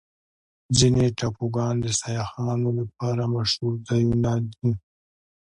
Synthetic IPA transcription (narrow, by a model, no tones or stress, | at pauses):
zineʈapuɡɑːnd̪əsajaxɑːnolap̚ɑːɾamaʃhuɾd̪ajunad̪i